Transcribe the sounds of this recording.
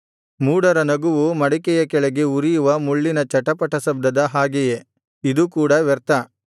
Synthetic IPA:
muːɽɐɾɐnɐɡuʋumɐɽikɛjɐkɛɭɛɡe̞uɾijuʋɐmuɭːinɐt͡ʃɐʈɐpɐʈɐsɐb̚d̪ɐd̪ɐɦaːɡɛje | id̪ukuːɽɐʋɛɾt̪ɐ

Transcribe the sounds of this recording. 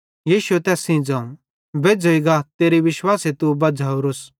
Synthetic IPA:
jiːʃuɛt̪ɛːsĩːd͡zãũ | beːd͡zoiɡat̪eːɾiʋɪʃwaːset̪ubɐd͡zʱaːoɾʊs

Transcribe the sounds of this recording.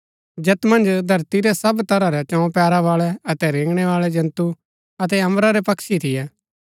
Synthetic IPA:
d͡ʒet̪mɐ̃nd͡ʒd̪ʱɐɾt̪iɾɛsɐbt̪ɐɾaɾɛt͡ʃɔ̃ːpɛːɾaʋaːɭɛɐt̪ɛɾẽːɡɽ̃ɛʋaːɭɛd͡ʒɐ̃nt̪u | ɐt̪̬ɛɐ̃mɾaɾepɐkʃit̪ʰɪjɛː

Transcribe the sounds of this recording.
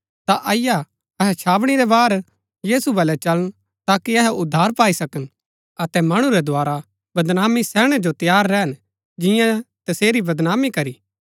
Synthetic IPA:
t̪aʔɐɪja | ɐɦɛt͡ʃʰaːʋɽ̃iɾɛbaːɾ | jiːsubɐlɛt͡ʃɐlən | t̪aːkiɐɦɛʊd̪ʱːaːɾpaːisɐkən | ɐt̪ɛmɐɽ̃ũɾɛd̪ʊaːɾa | bɐd̪naːmisɛːɽ̃ɛd͡ʒot̪ɐjaːɾːɛɦn | d͡ʒɪjãt̪ɐseːɾibɐd̪naːmikɐɾiː

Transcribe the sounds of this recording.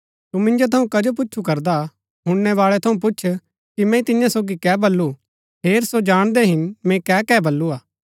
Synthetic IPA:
t̪umɪ̃nd͡ʒot̪ʰɐũkɐd͡ʒop̬ʊtːt͡ʃʰukɐɾd̪a | ɦʊ̃ɽnɛʋaːɭɛt̪ʰɐũp̬ʊːʃʰ | kimɛ̃t̪ɪjãsoːɡikɛːbɐlːu | ɦeːɾsod͡ʒaːɽ̃d̪eɦɪnmɛ̃kɛːkɛːbɐlːuaː

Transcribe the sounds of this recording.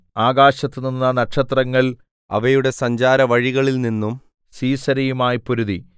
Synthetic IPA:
aːɡaːɕɐt̪ːɨninːɐnɐʈʂɐt̪rɐŋːɐɭ | ɐ̰ʋɐjuɽe̞sɐɲd͡ʑaːɾɐʋɐɻiɣɐɭilninːum | siːsɐɾɐjumaːjpuɾuði

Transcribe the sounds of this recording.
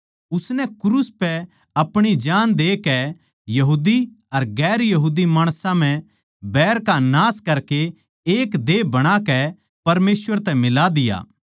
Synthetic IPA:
ʊsnɛkʊɾuːspɛ | ɐpɽ̃id͡ʒaːnd̪eːkɛ | jɐɦuːd̪i | ɐɾɡɛːɾjɐɦuːd̪imaːɽ̃sãm̤ɛ̃ | bɛːɾkanaːskɐɾkeː | kd̪eːbɐɽ̃akɛ | pɐɾmeːsʋəɾt̪ɛmɪlad̪ɪja̰ː

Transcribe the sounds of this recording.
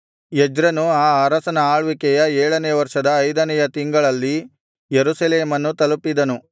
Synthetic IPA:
jed͡ʒɾɐnuaːaɾɐsɐnɐaːɭʋikɛjɐɛːɭɐnɛːʋɐɾʂɐd̪ɐːjd̪ɐnɛjɐt̪iŋɡɐɭɐlːi | jeɾusɐleːmɐnːut̪ɐlupid̪ɐnu

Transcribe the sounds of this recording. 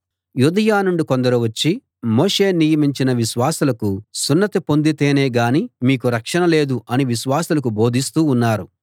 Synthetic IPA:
jud̪ɐjaːnuɳɖikond̪ɐɾuʋɐt͡ʃːi | mo̞ːʂe̞ːnijɐmiɲt͡ʃinɐʋiʃʋaːsulɐkusunːɐt̪ipo̞nd̪it̪eːne̞ːɡaːnimiːkuɾɐkʂɐnɐle̞ːd̪uɐniʋiʃʋaːsulɐkubo̞ːd̪ʱist̪uːnːaːɾu

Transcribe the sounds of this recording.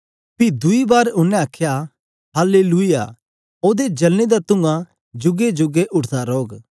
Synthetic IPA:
pid̪ʊibaːɾʊnːɛ̃aːkʰːja | ɦaːleluija̰ | oːd̪ed͡ʒɐlned̪at̪ʊ̃ŋɡã | d͡ʒʊɡed͡ʒʊɡeʔʊʈt̪aɾoːɡ

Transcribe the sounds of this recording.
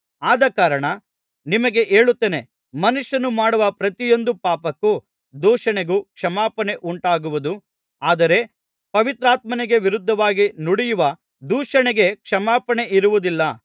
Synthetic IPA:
aːd̪ɐkaːɾɐɳɐ | nimɐɡe̞ʔeːɭut̪ːeːne | mɐnuʂjɐnumaːɽuʋɐpɾɐt̪ijo̞nd̪upaːpɐkːu | d̪uːʃɐɳeɡukʂɐmaːpɐne̞ʔuɳʈaːɡuʋud̪u | aːd̪ɐɾe̞ | pɐʋit̪ɾaːt̪mɐneɡe̞ʋiɾud̪ʱːɐʋaːɡinuɽijuʋɐ | d̪uːʂɐɳeɡe̞kʂɐmaːpɐɳe̞ʔiɾuʋud̪ilːɐ

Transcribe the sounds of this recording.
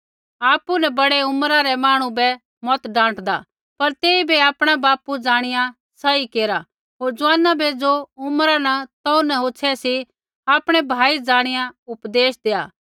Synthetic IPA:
aːpunɛ̃bɐɽeʊmɾaɾɛmaːɽ̃ũbɛ | mɔt̪ɖãːʈd̪a̰ | pɐɾt̪eːibiaːpɽ̃abaːpud͡zaːɽ̃ɪjã | sɐikeːɾa | ɦoːɾd͡zʊãːnabʱed͡zoʊmɾanat̪ɐunɛɦoːt͡ʃʰɛsi | aːpɽ̃ɛbʱaːid͡zaːɽ̃ɪjãʊpd̪eːsd̪eːa̰ː

